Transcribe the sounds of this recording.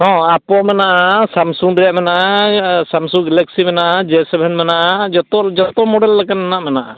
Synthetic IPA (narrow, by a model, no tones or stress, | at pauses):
ɦɔ̃apɔmɛnaʔasamsuŋɾɛjaʔmɛnaʔasamsuɡɛlɛk̚simɛnaʔad͡ʒɛsɛbʱɛnmɛnaʔad͡ʒɔt̪ɔd͡ʒɔt̪ɔmɔɖɛlːakanmanaʔmɛnaʔa